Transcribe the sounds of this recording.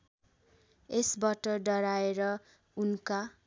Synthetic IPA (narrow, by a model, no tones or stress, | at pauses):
esbaʈʌɖʌɾaeɾʌ | unka